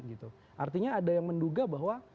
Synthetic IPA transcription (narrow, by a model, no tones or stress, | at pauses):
t̪̚ɡit̪u | ʔart̪iɲaːdajaŋmənduɡabaɦwa